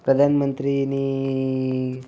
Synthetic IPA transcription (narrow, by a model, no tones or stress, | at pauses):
pɾəd̪ʱanmənt̪ɾini